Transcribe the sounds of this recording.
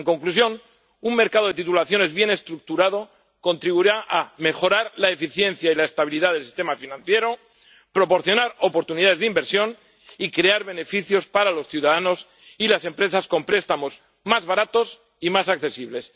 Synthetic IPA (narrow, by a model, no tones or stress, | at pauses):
eŋko̞ŋklusjo̞n | uŋme̞ɾkað̞o̞ðe̞t̪it̪ulaθjo̞ne̞zβje̞ne̞st̪ɾuk̚t̪uɾað̞o̞ | ko̞nt̪ɾiβuɾaʔame̞xo̞ɾaɾlaefiθje̞nθjailaest̪aβ̞iliðaðelsi̥st̪e̞mafinãnθje̞ɾo | pɾo̞po̞ɾθjo̞naɾo̞po̞ɾt̪uniðaðezðimbe̞ɾsjo̞n | ikɾe̞aɾβe̞ne̞fiθjo̞spaɾalo̞sθjuwðaðano̞s | ilase̞mpɾe̞sasko̞mpɾe̞st̪amo̞z | mazβaɾat̪o̞s | imasakθe̞siβle̞s